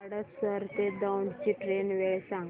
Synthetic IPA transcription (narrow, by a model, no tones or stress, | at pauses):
ɽəsəɾt̪ed̪awɳɖt͡ɕiːʈɾenʋeɭsãŋɡ